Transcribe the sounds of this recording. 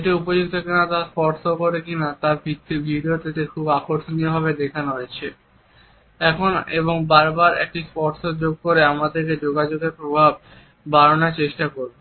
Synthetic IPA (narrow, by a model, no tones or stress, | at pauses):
eʈiupod͡ʑuɡ̚t̪ʰokenat̪aspɔɾsokoɾekinat̪aɾbʱiibʱiɖiot̪et̪ekʰubakoɾʃoniobʱaβed̪ekʰanoɦoet͡ɕʰe | ɛkʰonḛboŋbaɾbaɾɛ̰k̚ʈispɔɾsod͡ʑoɡ̚koɾeamad̪eɾked͡ʑoɡad͡ʑoɡeɾpɾobʱabː | aɾonaɾt͡ɕeʃʈakoɾbe